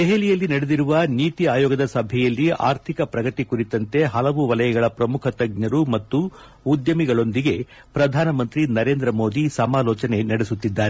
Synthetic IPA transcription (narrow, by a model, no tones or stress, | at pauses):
d̪eɦelijɐlːinɐɽed̪iɾuʋɐniːt̪iaːjoːɡɐd̪ɐsɐbʱɛjɐlːia̰ːɾt̪ʰikɐpɾɐɡɐt̪ikuɾit̪ɐnt̪e̞ɦɐlɐʋuʋɐlɐjɐɡɐɭɐpɾɐmukʰɐt̪ɐɡ̚ɲɐɾumɐt̪ːuː | d̪jɐmiɡɐɭo̞nd̪iɡe̞ | pɾɐd̪ʱaːnɐmɐnt̪ɾinɐɾe̞ːnd̪ɾɐmo̞ːd̪isɐmaːlɔːt͡ʃɐne̞nɐɽesut̪ːid̪ːaːɾe